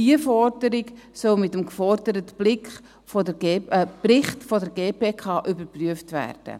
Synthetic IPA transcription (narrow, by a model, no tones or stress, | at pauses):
iəfɔɾdəɾɪɡsœlmɪtəmkfɔɾdəɾətb̥lɪkχ | fɔəbrɪχtfɔdəɾɡeːpeːkʰɑːʔybəɾpryəftvæ̰rd̥ə̰